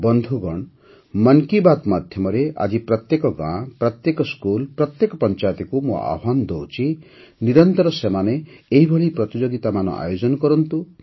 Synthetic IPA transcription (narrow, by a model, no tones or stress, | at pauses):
bɔnd̪ʱuɡɔɳ | mankibat̪mad̪ʱjɔmɔɾeʔa̰d͡ʒipɾɔt̪jekɔɡã̰ːpɾɔt̪jekɔskulpɾɔt̪jekɔpɔnt͡ʃajt̪ikumo̰a̰and̪owt͡ʃʰi | niɾɔnt̪ɔɾɔsemaneːɦibʱɔɭipɾɔt̪id͡ʒoɡit̪amanɔ̰ʔa̰jod͡ʒɔnɔkɔɾɔnt̪u